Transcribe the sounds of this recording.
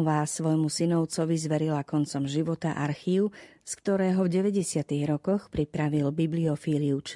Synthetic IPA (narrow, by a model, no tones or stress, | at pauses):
ʋaːsʋɔjmusinɔʊt͡sɔʋizʋɛɾilakɔnt͡sɔmʒiʋɔt̪aʔaɾxiːʊskt̪ɔɾɛːɦɔvɟɛʋɛɟɛsɪat̪iɣɾɔkɔxpɾipɾaʋilbibliɔfiːliut͡ʃ